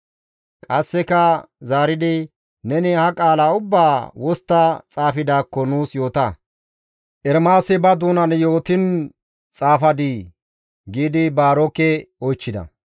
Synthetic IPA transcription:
kʼɐsːɛkɐ | zaːɾɪd̪ɪ | nɛnɪhɐkʼaːlaːʊbːaːwɔst̪ːɐt͡sʼaːfɪd̪aːkːɔnuːsjo̞ːt̪ɐ | ʔɛɾmaːsɛbɐd̪uːnɐnjo̞ːt̪ɪn | t͡sʼaːfɐd̪ɪ | ɡiːd̪ɪbaːɾɔkːɛɔjt͡ʃːɪd̪ɐ̰

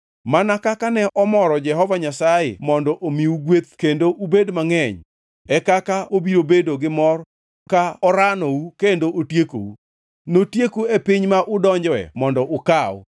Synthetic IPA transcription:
manakakanɛʔɔmɔɾɔd͡ʒɛɦɔvaɲasajḛmɔndɔʔomiuɡwet̪̚kendoʔubedmaŋɛɲ | ɛkakaobiɾobedoɡɪmɔr | kaɔɾanɔwukendoʔotjeko̰u | notjekoepiɲmaʔʊdɔɲd͡ʒwɛ̰mɔndɔʔʊkaw̰

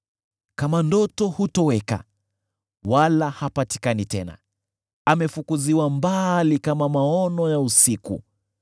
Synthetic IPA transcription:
kamandɔtɔhutɔwɛka̰ | walahapati̥kanitɛna̰ | amɛfukuziwambalikamamaɔnɔjausikṵ

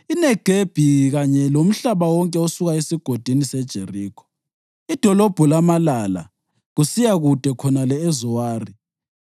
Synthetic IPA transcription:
inɛɡ̥ʱeb̥ʱiɣaɲɛlom̩ɬaβawɔŋkʼɛosuɣaesiɡ̥ʱod̥ʱinisɛd̥ʒ̥ʱeriːkʰɔ̥ | id̥ʱɔlob̥ʱulamalala̰ | ɣusijaɣud̥ʱɛkʰɔnalɛezuwaːri

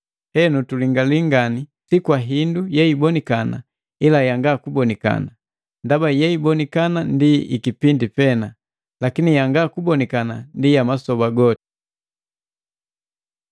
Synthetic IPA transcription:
hɛnutuliŋɡaliŋɡanisikwaɦindujɛibɔnikana̰ | ilajaŋɡakubɔnika̰na | ndabajɛibɔnikanandiikipindipɛna | lakinijaŋɡakubɔnikanandijamasɔbaɡɔti̥

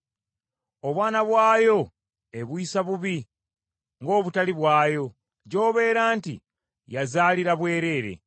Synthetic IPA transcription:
o̞βwaːnaβwaːjo̞ | e̞βwiːsaβuβi | ŋɡo̞ːβutaliβwaːjo̞ | ɟo̞ːβe̞ːɾaːntḭ | jazaːliɾaβwe̞ːɾe̞ːɾe̞̰

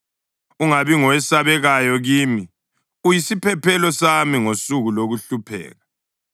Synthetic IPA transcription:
uŋaβiŋɔwɛsaβɛɣajɔɣiːmi | ujisipʰɛpʰɛlɔsamiŋosuɣuloɣuɬupʰɛ̰ːɣa

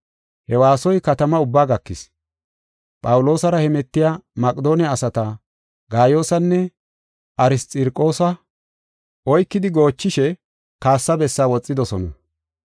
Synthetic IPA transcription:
hɛwaːsɔjkɐt̪ɐmɐʊbːaːɡɐkːɪs | pʼɐwʊlo̞ːsɐɾɐhɛmɛt̪ːɪjaːmɐkʼɪd̪o̞ːnɪaːsɐt̪ɐ | ɡaːjo̞ːsɐnːɛ | ɐɾɪst̪ʼɪɾkʼo̞ːsɐ | ʔɔjkːɪd̪ɪɡo̞ːt͡ʃːɪʃɛ | kaːsːɐbɛsːaːwɔt͡sʼːɪd̪ɔsɔnɐ̰

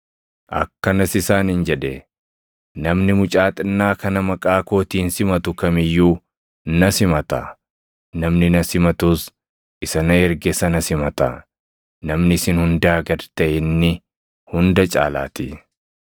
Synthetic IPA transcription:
ʔɐ̰kːɐnɐsɪsaːnɪnd͡ʒɛᶑɛ | nɐmnɪmʊt͡ʃʼaːt̪ʼɐnːaːkɐnɐmɐkʼaːko̞ːt̪iːnsɪmɐt̪ʊkɐmɪjːuː | nɐsɪmɐt̪ɐ̰ | nɐmnɪnɐsɪmɐt̪ʊs | ʔɪsɐnɐɛɾɡɛsɐnɐsɪmɐt̪ɐ | nɐmnɪsɪnhʊnd̪aːɡɐɾt̪ɐʔɛnːɪ | hʊnd̪ɐt͡ʃʼa̰ːla̰ːt̪ɪ

